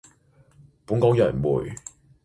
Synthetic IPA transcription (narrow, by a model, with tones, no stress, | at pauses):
pu˨˥˦ŋkɔ˥ŋjɐ˨˩nmṵ˨˩j